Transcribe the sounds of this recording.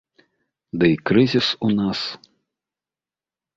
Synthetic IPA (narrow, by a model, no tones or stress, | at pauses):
d̪ɐjkɾɨzʲisunas